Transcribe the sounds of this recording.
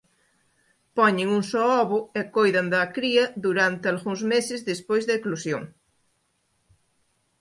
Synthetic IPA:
pɔɲɪŋuŋsɔɔβʊekojðɐnd̪ɐkɾiɐðuɾant̪ealɣuŋzmesɪzðespojzðɐeklusjo̰ŋ

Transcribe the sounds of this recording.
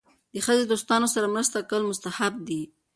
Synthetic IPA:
d̪̥əxəzed̪ost̪ɑnosaɾamɾəst̪akəlmʊst̪ahab̚d̪i

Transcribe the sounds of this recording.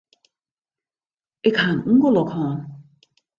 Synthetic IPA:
ʔɪkhaːnŋ̩kɔlɔkʰɔːn

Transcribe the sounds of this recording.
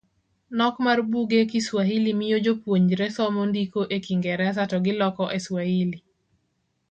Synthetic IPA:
nɔkmarbuɡekiswaɦilimijod͡ʒopwoɲd͡ʒɾɛsɔmondikoʔekiŋɡɛɾɛas̬atɔɡɪlɔkɔʔeswahili

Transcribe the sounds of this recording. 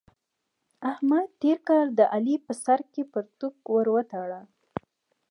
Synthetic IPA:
ahmad̪̚t̪eɾkɑld̪əʔalipəsaɾkepəɾt̪ukwəɾwət̪ɑɽa

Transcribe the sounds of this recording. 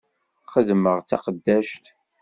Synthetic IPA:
χəðməʁt͡sːɑ̰qəd̪ːæʃt̪

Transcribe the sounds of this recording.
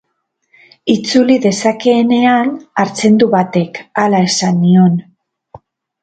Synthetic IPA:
it͡suliðe̞sake̞ːne̞anaɾt͡se̞nd̪uβat̪e̞kalae̞sanːio̞n

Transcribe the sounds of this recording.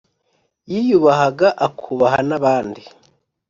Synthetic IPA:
jijuβaɦaɡaʔakʰuβaɦanaβaːndi

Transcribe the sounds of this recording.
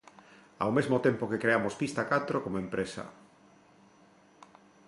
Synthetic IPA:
a̰wmezmot̪empokekɾeamospist̪akat̪ɾokomoẽmpɾesɐ̰

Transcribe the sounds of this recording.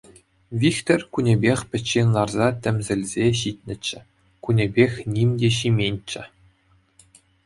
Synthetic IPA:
ʋʲikt̪ʲorʲkunʲebʲexʲpʲɘ̆t͡ɕːenʲlˠɑrzɑtʲɘ̆mʲzʲɘ̆lʲzʲeɕit̪ʲnʲɘ̆t͡ɕːɘ̆ | kunʲebʲexʲnʲimʲdʲeɕimʲenʲt͡ɕːɘ̆

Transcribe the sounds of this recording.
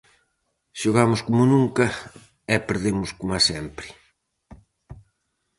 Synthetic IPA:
ʃoɣamʊskomʊnũŋkɐ | ɛpeɾðemʊskomasɛmpɾɪ

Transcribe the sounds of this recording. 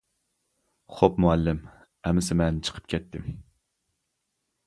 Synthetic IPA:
χopmuɛlːɪm | ɛmɪsɪmɛnt͡ʃʰə̥qʰə̥p̚kʲʰɛt̪ʰːɪm

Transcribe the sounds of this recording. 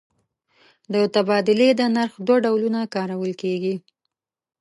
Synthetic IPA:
d̪ət̪abɑd̪ɪled̪ənaɾxd̪waɖawlunakɑɾawəlkeɡi

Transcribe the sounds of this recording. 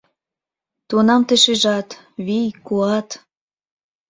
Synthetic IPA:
t̪unɑmt̪eʃeʒɑt̪ | βijkuɑt̪

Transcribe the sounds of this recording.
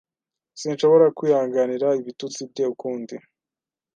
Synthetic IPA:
sinʃo̞βo̞ɾakwiːhaːŋɡaniɾaiβitut͡sib̚teukuːndi

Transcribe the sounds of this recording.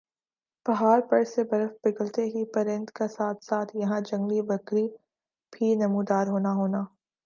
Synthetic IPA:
b̥ɐɦaːɾpɐɽsebɐɾəfbɪɡəlt̪eɦipɐɾɪ̃nt̪kesaːt̪ʰsaːt̪ʰjɐɦãd͡ʒɐ̃ŋɡlibɐkɾi | bʰʱiːnɐmuːd̪aːɾɦoːnaɦoːnaː

